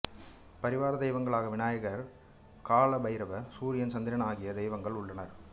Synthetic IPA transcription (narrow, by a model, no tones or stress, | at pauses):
pɐɾɪʋaːɾɐd̪ɛɪʋɐŋɡɐɭaːɣɐʋɪnaːjɐɣɐɾ | kaːɭɐbɐɪɾɐʋɐsuːɾɪjɐnt͡ʃɐnd̪ɪɾɐnaːɣɪjɐd̪ɛɪʋɐŋɡɐɭʊɭːɐnɐɾ